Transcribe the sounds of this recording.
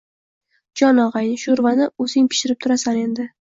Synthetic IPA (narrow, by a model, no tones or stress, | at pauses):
d͡ʒɒnɒʁajnɪʃʊɾvanɪɵzɪŋpʰɪ̥ʃɪɾɪp̚t̪ʰʊɾasane̞nd̪ɪ